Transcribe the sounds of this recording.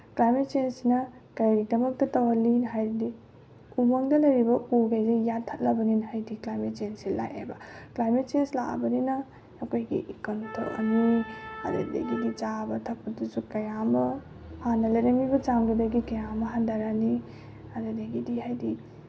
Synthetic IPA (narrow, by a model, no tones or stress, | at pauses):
klajmet̚t͡ʃensinɐ | kɐjɾidɐmɐk̚tɐtɐwɐlinɦajɾdi | umɐŋdɐlɐjɾibɐuɡajzejattʰɐt̚lɐbɐninɦajdiklajmet̚t͡ʃensila̰jʔḛbɐklajmet̚t͡ʃensla̰ʔɐ̰bɐninɐː | kojɡḭʔikɐntʰo̰ʔɐ̰niɐ̰dɐ̰dḛɡidit͡ʃabɐtʰɐk̚pɐdusukɐjamɐ | hanɐlɐjɾɐŋibɐt͡ʃamɡudɐɡikɐjamɐɦandaɾani | ɐdedeɡidiɦajdi